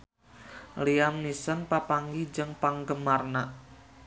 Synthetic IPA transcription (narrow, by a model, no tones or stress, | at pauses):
liamnisənpapaŋɡid͡ʒɨŋpaŋɡəmarnaʔ